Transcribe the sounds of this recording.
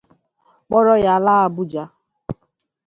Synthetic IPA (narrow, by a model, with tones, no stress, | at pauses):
k͡pɔ˦ɾɔ˦ja˨laː˦a˦bʊ˦d͡ʒa˦